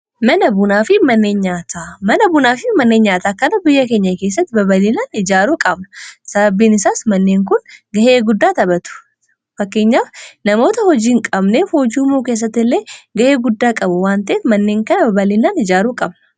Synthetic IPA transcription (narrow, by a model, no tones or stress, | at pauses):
mɐnɐbʊnaːfɪmɐnːe̞ːɲɲaːt̪ʰaːmɐnɐbʊnaːfɪmɐnːeːɲːaːt̪aːkːɐnɐbɪjːɐke̞ːɲːɐkeːs̬ːɐt̪ːɪbɐbɐlɪnaːnɪd͡ʒaːɾuːkʼɐbnɐsɐbɐbːiːnɪsaːsmɐnːe̞ːŋkʊnɡɐhe̞ːɡʊd̪ːaːt̪ɐbɐt̪ʊ̥ | fɐkːe̞ːɲːaːfnɐmo̞ːt̪ɐhɔd͡ʒiːŋkʼɐbneːfoːd͡ʒuːmoːkeːs̬ːɐt̪ːɪlːe̞ːɡɐhe̞ːɡʊd̪ːaːkʼɐbʊwaːnt̪ɐʔeːt̪mɐnːe̞ːŋkɐnɐbɐbɐlɪnaːnɪd͡ʒaːɾuːkʼɐbnɐ̥